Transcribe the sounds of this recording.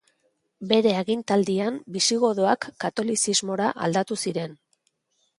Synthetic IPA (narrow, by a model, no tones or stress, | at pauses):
be̞ɾe̞aɣint̪ald̪iambisiɣo̞ðoakːat̪o̞lisizmo̞ɾaʔa̰ld̪at̪usiɾe̞n